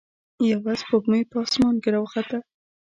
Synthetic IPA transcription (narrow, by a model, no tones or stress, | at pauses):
jawɑzpoɡmejpɑsmɑnɡɪɾawxat̪a